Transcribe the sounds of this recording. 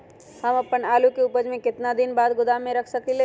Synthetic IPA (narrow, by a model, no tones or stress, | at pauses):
həmɐpənaːlukeʊpəd͡ʒmẽkɪt̪nad̪ɪnbaːd̪ɡʊd̪amːẽɾəkʰsəkile